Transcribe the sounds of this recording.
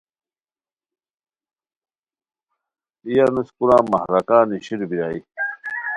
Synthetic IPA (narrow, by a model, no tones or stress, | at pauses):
ijanuskunaːmɐhɾɐkaːniɕiɾbiɾaːi